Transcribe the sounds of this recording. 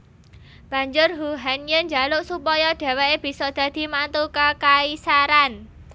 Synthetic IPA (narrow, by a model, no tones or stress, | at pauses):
b̥ä̤ɲd͡ʒʊrɦuɦanjəɲd͡ʒa̤lʊʔsupɔjɔɖ̥a̤weeb̥i̤sɔd̪̥ä̤d̪̥i̤mant̪ukakaisaɾan